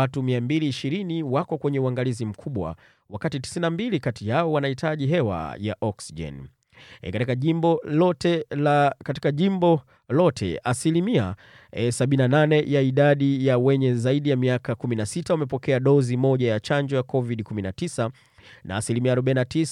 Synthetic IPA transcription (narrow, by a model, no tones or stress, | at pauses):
atumiambiliːʃiɾiniwakɔkwɛɲɛuaŋɡalizim̩kʰuɓwa̰ | wakatiti̥sinambilikatijaɔwanahitʰaʄiɦɛwa̰ja̰ʔɔksiʄɛ̰n | katikaʄiɔɔtɛkati̥kaʄimbɔ | lɔtʰɛ̰ʔasilimia | saɓinananɛjaiɗaɗijawɛɲɛzaiɗijamiakakuminasitawamɛpɔkɛaɗɔzimɔʄajat͡ʃaɲd͡ʒɔjakɔviɗikuminatisa | nʔa̰ːsilimiaːɾɔɓainatis